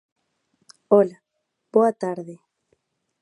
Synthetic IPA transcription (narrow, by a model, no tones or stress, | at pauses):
ola | b̥oat̪aɾðe